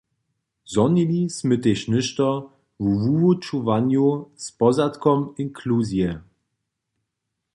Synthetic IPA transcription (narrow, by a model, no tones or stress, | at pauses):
zɔnilʲismɘt̪ɛʃnɘʃt̪ɔ | vuvuvut͡ʃuvanjuspɔzat̪kɔminkʰluzjɛ